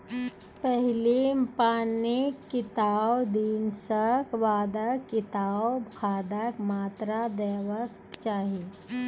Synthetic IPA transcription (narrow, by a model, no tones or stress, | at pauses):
pɛɦlipaːnɪkːɪt̪aːwd̪iːnsəkʋaːd̪əkːɪt̪aːwkʰaːd̪əkmaːt̪ɾad̪eːʋək̚ | t͡ʃaːɦie